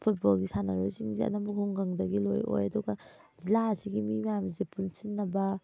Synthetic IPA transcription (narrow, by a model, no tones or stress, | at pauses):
pʰut̚bolɡisanɐɾojsiŋziɐ̰nɐmukhuŋɡɐŋdɐɡilo̰jo̰jɐduɡɐ | zilaɐsiɡimimjamizepunsinːɐbɐ